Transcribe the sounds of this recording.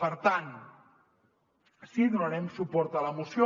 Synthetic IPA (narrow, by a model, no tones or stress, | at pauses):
pəɾt̪an | siðunəɾɛmsupɔɾt̪ələmusjo